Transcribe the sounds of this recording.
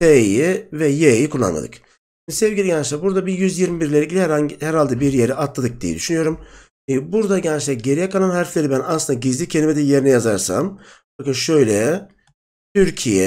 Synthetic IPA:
ejivɛjejikʰulˠːa̰nˠa̰d̪ɯ̰k | ʃimd̪isɛvɟilʲiɟænt͡ʃlʲæɾbuɾd̪abijyzjiɾmibiɾlʲeɾɟilʲihæɾhahɛɾalʲd̪ɛbiɾjeɾiat̪lˠad̪ɯk̚d̪ijɛ̰d̪yʃynyjo̞ɾum | buɾd̪aɟænt͡ʃlʲɛɾɟe̞ɾijɛkalˠanɦaɾflʲe̞ɾibænaslɯnd̪aɟizlʲicʰeimɛd̪ɛje̞ɾinɛjazaɾsa̰m | akaʃøjlʲɛ | t̪ʰyɾcʰijɛ̰

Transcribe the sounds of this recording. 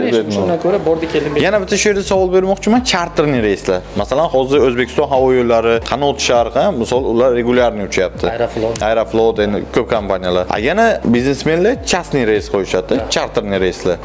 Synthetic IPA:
ed̪ɪnakʰoɾabɒɾd̪akʲʰelɪjanabɪt̪ʰaʃʊje̞ɾd̪asavɒlˠbe̞ɾmɒqt͡ʃʰɪmant͡ʃʰaɾt̪ʰɾnɪɾejislaɾmasalanhɒzɪɾɵzbekʰʲɪ̥st̪ɒ̃nɦavɒjolːaɾɪqʰɑnɒt̪ʃaɾqɑmɪsɒlˠʊlaɾːe̞ɡʊlʲjaɾnɪʊt͡ʃʰajap̚t̪ʰɪfloajɾaflˠot̪end̪ɪ̰kʲʰɵp̚kʰampʰanʲijalaɾa̰janabiznesme̞nlat͡ʃʰasnɪɾejsqʰojɪʃad̪ɪt͡ʃʰaɾt̪ʰɾnɪɾejslaɾ

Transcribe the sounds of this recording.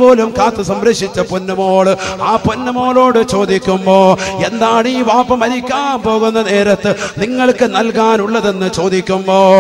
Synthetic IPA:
o̞ːlumkaːt̪ːɨsɐmɾɐʂit͡ɕːɐponːɐmoːɽɨaːpunːɐmo̞ːlo̞ːɽɨt͡ɕo̞ːd̪ikʲːumbo̞ːe̞nd̪aːɳɨiːʋaːpːɐmɐɾikʲːaːnpo̞ːɣunːɐne̞ːɾɐt̪ːɨniŋːɐɭkɨnɐlkaːnuɭːɐðe̞nːɨt͡ɕo̞ːd̪ikʲːumbo̞ː

